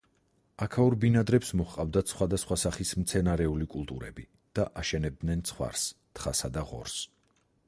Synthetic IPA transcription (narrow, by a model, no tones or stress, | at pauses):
akʰauɾbinad̪ɾɛpsmɔχqʼavd̪at̪sʰχwad̪asχwasaχismt̪sʰɛnaɾɛulikʼulˠt̪ʼuɾɛ̰bi | d̪̥aʔaʃɛnɛb̚d̪nɛnt̪sʰχwa̰ɾst̪ʰχasad̪aʁɔ̰ɾs